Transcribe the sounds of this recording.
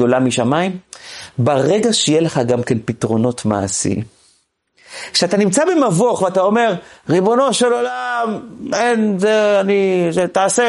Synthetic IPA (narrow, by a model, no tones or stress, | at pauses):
o̞lamiʃamaimbaʁe̞ɡaʃejeleχaɡamkenpitʁo̞no̞tma̰ːsḭ | kʃeatanimt͡sabemavoaχveatao̞me̞ʁʁibo̞no̞ʃe̞lo̞lamenzeaniʃetaːse